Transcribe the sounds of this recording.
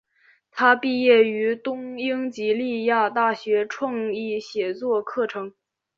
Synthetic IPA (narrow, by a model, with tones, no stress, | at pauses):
t̪ʰa˥pi˥˧jɛ˥˩y˧˥t̪ʊ˥ŋi˥ŋt͡ɕi˧˥li˥˧ja˥˧t̪a˥˩ɕɥɛ˧˥ʈ͡ʂʰwɑ˥˧ŋi˥˩ɕjɛ˨˩t͡swɔ˥˧kʰɤ˥˩ʈ͡ʂʰɤ˧˥ŋ